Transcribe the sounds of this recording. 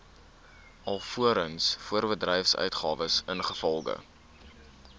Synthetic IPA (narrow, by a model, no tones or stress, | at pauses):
ʔɐlˠfuəɾənsfuərbədrɛjfsœ̰ɥtχɑ̰ːvəsənχəfɔlˠɡə̰